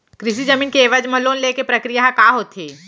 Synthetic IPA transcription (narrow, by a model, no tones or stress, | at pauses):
kɾɪʃ̬id͡ʒɐmiːnkeːʋəd͡ʒmɐloːnleːkepɾɐkɾijaɦkaːɦoːt̪ʰeː